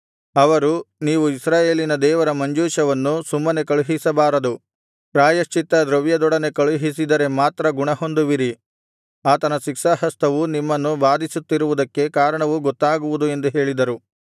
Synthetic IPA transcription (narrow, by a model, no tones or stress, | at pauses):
ɐʋɐɾuniːʋuisɾaːje̞ːlinɐd̪ɛːʋɐɾɐmɐɲd͡ʒuːʃɐʋɐnːusumːɐne̞kɐɭuɦisɐbaːɾɐd̪u | pɾaːjɐʃt͡ʃit̪ɐd̪ɾɐʋjɐd̪ɔɽɐne̞kɐɭuɦisid̪ɐɾe̞maːt̪ɾɐɡuɳɐɦond̪uʋiɾi | aːt̪ɐnɐʃikʃaɦɐst̪ʰɐʋunimːɐnːuʋaːd̪isut̪ːiɾuʋud̪ɐkːe̞kaːɾɐɳɐʋuɡɔt̪ːaːɡuʋud̪ue̞nd̪uɦe̞ːɭid̪ɐɾu